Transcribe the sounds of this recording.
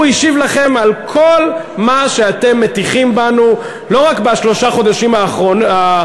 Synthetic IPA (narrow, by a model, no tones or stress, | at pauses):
iʃivlaχe̞malkʰo̞l | maʃe̞at̪e̞mːetiχimbanu | lo̞ʁakbaʃlo̞ʃaχo̞d̪aʃimaːχʁoa